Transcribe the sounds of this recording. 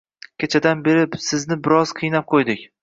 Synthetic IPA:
kʲʰet͡ʃʰad̪anbe̞ɾɪpsɪznɪbɪɾɒz̥qʰɨjnap̚qʰojd̪ɪkʲ

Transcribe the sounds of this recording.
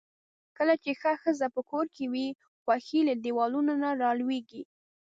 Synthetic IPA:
kəlat͡ʃexaxəzapəkoɾkewi | xwaxiladewɑlunanaɾɑlweɡi

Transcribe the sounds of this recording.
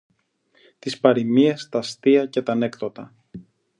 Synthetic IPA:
t̪ispɐɾimiest̪ɐst̪iɐce̞t̪ɐne̞kt̪o̞t̪ɐ

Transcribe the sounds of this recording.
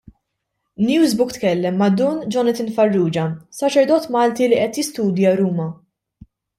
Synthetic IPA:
njuːzbʊkt̪kɛlːɛmːɐd̪uːnd͡ʒɔnɐt̪ɪnfɐrːuːd͡ʒɐsɐt͡ʃɛɾd̪ɔːt̪mɐːlt̪iliʔɛt̪jɪst̪uːd̪jɐɾuːmɐ

